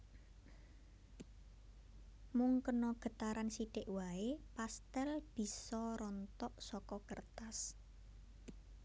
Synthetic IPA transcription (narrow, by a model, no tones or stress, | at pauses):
muŋkənɔɡ̥ə̤t̪aɾansiɖ̥ɪʔwaepast̪ɛlb̥i̤sɔɾɔnt̪ɔʔsɔkɔkərt̪as